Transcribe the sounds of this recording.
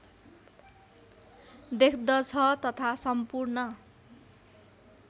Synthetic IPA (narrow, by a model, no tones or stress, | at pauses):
d̪ekʰd̪ʌt͡sʰʌt̪ʌt̪ʰasʌmpurnʌ